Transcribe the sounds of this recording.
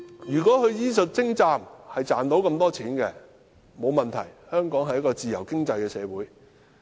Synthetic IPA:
jyː˨˩kʷɔː˨˥kɵ˨˧ɥjiː˥s̬ɵ˨t̚t͡sɪ˥ŋt͡saː˧mhɐ˨jt͡saː˨nt̪o˨˥wkɐ˧mt̪ɔː˥t͡sʰiː˨˥nkɛ˧ | mo˨˧wmɐ˨nt̪ʰɐ˨˩jhœː˥ŋkɔː˨˥ŋɦɐ˨jːɐ˥kɔː˧t͡siː˨˩jɐ˨˩wkɪ˥ŋt͡sɐ˧jkɛː˧sɛː˨˧wuː˨˥j

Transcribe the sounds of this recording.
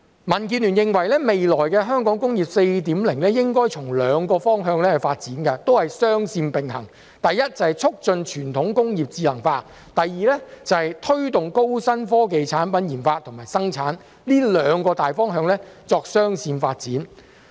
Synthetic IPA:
mɐ˨˩nkiː˧nlyː˨˩njɪ˨ŋwɐ˨˩jlɛː˥me˨jlɔː˨˩jkɛː˧ɦœː˥ŋkɔː˨˥ŋkʊ˥ŋjiː˨p̚se˧jt̪iː˨˥mlɪ˨˩ŋlɛː˥jɪ˥ŋkɔː˥jt͡sʰʊ˨˩ŋlœː˨˧ŋkɔː˧fɔː˥ŋɦœː˧ŋlɛː˥˨faː˧t̚t͡siː˨˥nkɐ˧t̪o˥whɐ˨jsœː˥ŋsiː˧npɪ˨ŋhɐ˨˩ŋ | t̪ɐ˨jːɐ˥t̚t͡sɐ˨˩hɐ˨jt͡sʰʊ˥k̚t͡ʃɵ˧nt͡ʃʰyː˨˩nt̪ʰʊ˨˥ŋkʊ˥ŋjiː˨p̚t͡siː˧lɐ˨˩ŋfaː˧t̚ | t̪ɐ˨jːiː˨˧lɛː˥t͡sɐ˨˧hɐ˨jt̪ʰɵ˥ɥt̪ʊ˨ŋko˥wsɐ˥nfɔː˥k̬e˨jt͡sʰaː˨˥npɐ˨˥njiː˨˩nfaː˧t̪ʰŋmaː˨˩jsɐ˥ŋt͡sʰaː˨˥n | liː˥lœː˨˧ŋkɔː˧t̪aː˨jfɔː˥ŋɦœː˧ŋlɛː˥t͡sɔː˧k̚sœː˥ŋsiː˧nfaː˧t̚t͡siː˨˥n

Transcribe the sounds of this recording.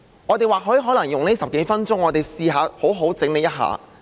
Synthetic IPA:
ŋɔː˨˧t̪e˨jwaː˨k̚ɦɔː˨˥ji˨ɦɔː˨˥lɐ˨˩ŋjʊ˨ŋneː˥sɐ˨p̚ke˨˥jfɐ˥nt͡sʊ˥ŋɔː˨˧t̪e˨jsiː˧ɦaː˨˧ho˨˥wɦo˨˥wt͡sɪ˨˥ŋne˨˧jɐ˥t̚ɦa̰ː˨˧

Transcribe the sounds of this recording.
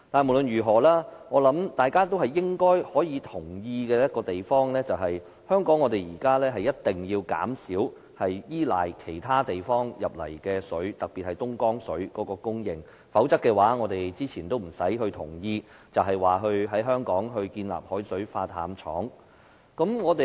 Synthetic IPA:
t̪aː˨nmo˨˩wlɵ˧˨njyː˨˩ɦɔː˨˩laː˥ŋɔː˨˧lɐ˨˥mt̪aː˨jkaː˥t̪̬o˥wɦɐ˨jːɪ˥ŋkɔː˥jhɔː˨˥jiː˨˧t̪ʰʊ˨˩ŋjiː˧kɛː˧jɐ˥t̚kɔː˧t̪e˨jfɔː˥ŋlɛː˥t͡sɐ˨wɦɐ˨j | hœː˥ŋkɔː˨˥ŋːɔː˨˧t̪e˨jjiː˨˩kaː˥lɛː˥ɦɐ˨jːɐ˥t̚t̪ːɪ˨˩ŋjiː˧wka̰ː˨˥msiː˨˥w | hɐ˨jjiː˥la̰ː˨˩jkʰe˨˩jt̪ʰaː˥t̪e˨jfɔː˥ŋjɐ˨p̚lɐ̰˨˩jkɛː˧sɵ˨˥ɥt̪ɐ˨k̚piː˨t̚hɐ˨jt̪ʊ˥ŋkɔː˥ŋsɵ˨˥ɥkɔː˨˥kɔː˧kʊ˥ŋjɪ˨ŋ | fɐ˨˥wt͡sɐ˥kːɛː˧waː˨˥ŋɔː˨˧t̪e˨jt͡siː˥t͡sʰiː˨˩nt̪o˥wm̩˨˩sɐ˨˥jɦɵ˧ɥt̪ʰʊ˨˩ŋjiː˧ | t͡sɐ˨wɦɐ˨jwaː˨ɦɵ˧ɥɦɐ˨˥jɦœː˥ŋkɔː˨˥ŋɦɵ˧ɥkiː˧nla̰ː˨p̚hɔː˨˥jsɵ˨˥ɥfaː˧t̪ʰa̰ː˨˧mt͡ʃʰɔ̰ː˨˥ŋ | kɐ˨˥mŋɔː˨˧t̪e˨

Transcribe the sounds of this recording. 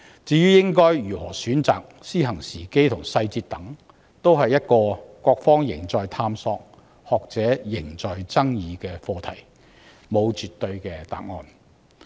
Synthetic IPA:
t͡siː˨˧jyː˥jɪ˥ŋkɔː˥jɥyː˨˩hɔː˨˩syː˨˥nt͡sa̰ː˨k̚siː˥ɦɐ˨˩ŋsiː˨˩ke˥jt̪ʰʊ˨˩ŋsɐ˧jt͡siː˧t̚t̪ɐ˨˥ŋ | t̪o˥wɦɐ˨jːɐ˥t̚kɔː˧kʷɔː˧k̚fɔː˥ŋjɪ̰˨˩ŋt͡sɔː˨jt̪ʰaː˧msɔː˧k̚ | hɔː˨k̚t͡sɛː˨˥jɪ˨˩ŋt͡sɔː˨jt͡sɐ˥ŋjiː˨˧kɛː˧fɔː˧t̪ʰɐ˨˩j | mo˨˧wt͡syː˨t̪ːɵ˧ɥkɛː˧t̪a̰ː˨k̚ŋɔ̰ː˧n

